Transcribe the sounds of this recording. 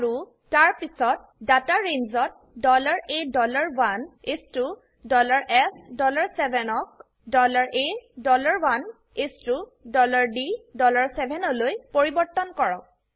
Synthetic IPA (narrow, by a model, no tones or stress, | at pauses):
aɹu | taɹpisɔt̚ | dataɹeɲzɔt̚ | dɔlaɹedɔlaɹwanestu | dɔlaɹʔɛsdɔlaɹsɛbʱɛnɔk̚ | dɔlaɹʔedɔlaɹwan | estudɔlaɹdidɔlaɹsɛbʱɛnɔlojpoɹibɔɹtɔnkɔɹɔ̰k̚